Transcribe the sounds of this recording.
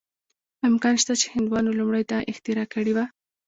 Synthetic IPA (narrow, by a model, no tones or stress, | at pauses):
ɪmkɑnʃt̪at͡ʃe̥hɪnd̪wɑnolumɽajt̪aʔɪxt̪ɪɾɑkəɽiwa